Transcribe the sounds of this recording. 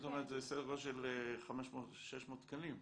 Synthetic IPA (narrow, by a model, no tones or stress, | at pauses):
t̪omeʁət̪zesedeʁoʃelχameʃmotʃeʃmoːt̪kanim